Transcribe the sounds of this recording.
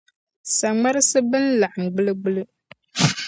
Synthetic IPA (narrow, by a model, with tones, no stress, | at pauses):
sa˨ŋ͡ma˦ɾɨ˦sɨ˦bɨ˦n̩˦la˨ʔa˨m˨ɡ͡bɨ˦lɨ˦ɡ͡bɨ˦lɨ˦